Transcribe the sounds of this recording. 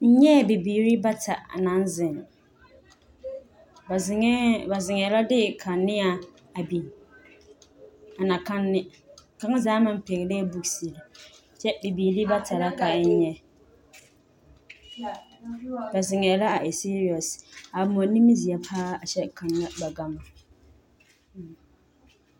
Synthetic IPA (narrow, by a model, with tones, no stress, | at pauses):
n̩˦ɲɛ˦˨bi˨biː˨ɾi˦ba˦tʰa̰˨a̰˨na˨˦n˦zɪ˨nɪ˨˦ | ba˨zɪ˨ŋɛ˨˦la˦dɪ˦˨kʰa˨nːɪ˦a˦˨ | a˨bi˨n˨ | a˨na˨ka˦nːɪ˦ | ka˦ŋ˦zaː˦ma˨m˦pe˨ɣɪ˨leː˦bu˦ksi˨la˨ | t͡ʃɛ˦bi˨biː˨li˦ba˦ta˨ɾa˦ka˨ɪ˦ɲɛ˦ | ba˨zɪ˨ŋɛ˨la˦a˨ʔe˨si˦ɾi˨ɔ˨sa˨mɔ˨ni˦mi˦zi˨a˨pʰaː˦a˨t͡ʃɛ˦ka˨nːa˦ba˨ɡa˦ma˨